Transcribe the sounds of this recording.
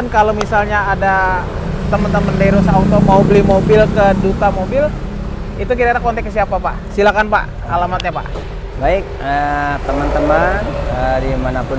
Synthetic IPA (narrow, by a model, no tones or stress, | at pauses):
ankalowmisalɲaːda | t̪əmənt̪əməndaiɾosaut̪omaubəlimobɪlkədut̪amobɪl | it̪ukidaadakɔnt̪ɛkːəsiapapa̰ʔsilakanpa̰ʔ | alamat̪̚ɲapa̰ʔ | baɪk̚ət̪əmənt̪əmanədimanapʊ